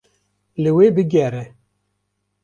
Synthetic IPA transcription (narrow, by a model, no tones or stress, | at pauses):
lɨweːbɨɡɛɾɛ